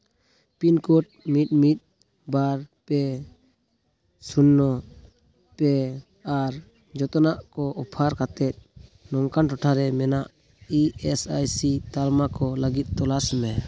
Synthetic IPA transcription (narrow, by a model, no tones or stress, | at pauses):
pinkɔʈ̚mit̪̚ˀmit̪̚ | baɾpɛ | sunːɔ | pɛ | aɾ | d͡ʒɔt̪ɔnaʔkɔʔɔpʰaɾkat̪ɛt̪̚nɔŋkanʈɔʈʰaɾɛmɛnaʔ | iɛsajsit̪almakɔləɡit̪̚ˀt̪ɔlasɛmɛ